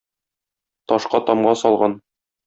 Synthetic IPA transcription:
t̪ɒʃqɑt̪ɒmɢɑsɒlˠʁɑn

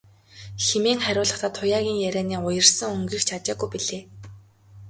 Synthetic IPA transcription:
xemeːŋχæɾʲʊːɮə̆χt̪ʰaːt̪ʰːʊjaːɣʲiːŋjæɾʲæːniːʊjə̆rsə̆ŋɵŋɡiːxt͡ɕʰat͡ɕaːɣujpiɮeː

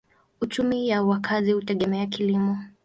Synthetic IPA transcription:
ut͡ʃumijawakʰazihutɛɠɛmɛakilimɔ

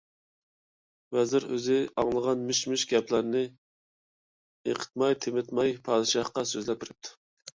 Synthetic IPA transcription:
vɛzɪɾø̰zɪɑŋlˠəʁɑnmyʃmyʃɡʲɛpʰlæɾnɪ | eqʰə̥t̪̚mɑjt̪ʰɪmɪt̪mɑjpʰɑːd̪ɨʃɑχqɑsøzlɛp̚bʰɪɾɪp̚t̪ʰːu̥

